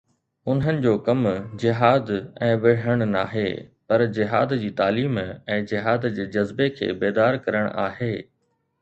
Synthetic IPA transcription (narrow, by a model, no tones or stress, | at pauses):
ʊnɦənɪ̆d͡ʑoːkɐmd͡ʑɪɦaːd̪ɛ̃ːʋɪɽ̤əɽ̃na̰ːɦḛːpɐɾd͡ʑɪɦaːd̪d͡ʑiːt̪aːliːmɛ̃ːd͡ʑɪɦaːd̪d͡ʑeːd͡ʑɐzbekʰḛːbeːd̪aːɾkɐɾəɽ̃ʔaːɦeː